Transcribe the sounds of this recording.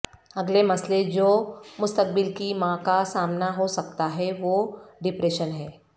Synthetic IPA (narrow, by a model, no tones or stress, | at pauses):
ɐɡlemɐsled͡ʒoːmʊst̪ək̚bɪlkimãːkasaːmnaɦosɐkt̪aɦɛʋoːɖɪpɾeːʃənɦɛː